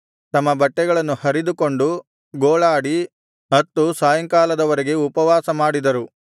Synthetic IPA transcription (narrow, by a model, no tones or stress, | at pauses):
t̪ɐmːɐbɐʈːɛɡɐɭɐnːuhɐɾid̪uko̞ɳɖu | ɡoːɭaːɽi | mɐt̪ːusaːjɐŋkaːlɐd̪ɐʋɐɾeɡe̞upɐʋaːsɐmaːɽid̪ɐɾu